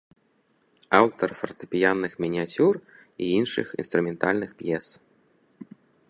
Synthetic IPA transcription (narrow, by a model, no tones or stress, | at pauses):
awt̪ɐrfɐrt̪ɨ̥pʲijanːɨxmʲinʲiat͡sʲur | iinʂɨ̰xḭnst̪ɾumʲɛnt̪alʲnɨxpjɛs